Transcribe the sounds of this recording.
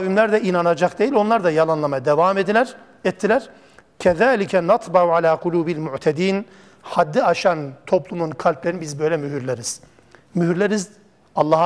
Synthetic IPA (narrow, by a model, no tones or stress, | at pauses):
vimlʲæɾd̪ɛʔinanad͡ʒakd̪ejilʲo̞nlˠaɾd̪ajɑlˠanlˠamɑd̪ɛvaːmed̪ilʲæɾ | ɛt̪ʰːilʲæɾ | cʰɛðaːlʲicʰɛnɑt̪ˤbɑʕuʕalʲaːqʰulʲuːbilmuʕt̪ʰɛd̪iːn | had̪ːiaʃant̪ʰo̞plˠumunkʰalʲplʲeɾinibizbø̞jlʲɛmyɦyɾlʲeɾiz̥ | myɦyɾlʲeɾiz | ɑlˠːɑ